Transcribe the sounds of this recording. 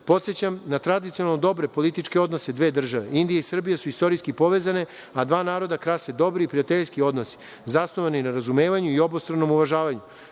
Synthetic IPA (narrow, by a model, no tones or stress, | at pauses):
po̞t̪set͡ɕamnat̪ɾad̪it̪sijonalˠnod̪o̞bɾe̞po̞lit̪it͡ʃke̞o̞d̪no̞se̞d̪ʋe̞ːd̪r̩ʒaʋe̞̰ind̪ijaisr̩bijasuist̪o̞ɾiskipo̞ʋe̞ːzane̞ | ad̪ʋaːnaːɾo̞d̪akɾased̪o̞bɾiːpɾijat̪eʎskio̞d̪nosi̥ | zasno̞ʋaninaɾazume̞ːʋaɲuio̞bost̪ɾano̞muʋaʒaːʋaɲu